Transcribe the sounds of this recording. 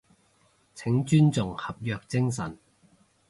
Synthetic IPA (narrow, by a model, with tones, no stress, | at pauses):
t͡sʰɪ˨˥ŋt͡ʃyː˥nt͡sʊ˨ŋhɐ˨p̚jœː˧k̚t͡sɪ˥ŋsɐ˨˩n